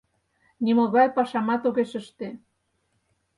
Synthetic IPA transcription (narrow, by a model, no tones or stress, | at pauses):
niməɣɑjpɑʃɑmɑt̪oɣeʃəʃt̪e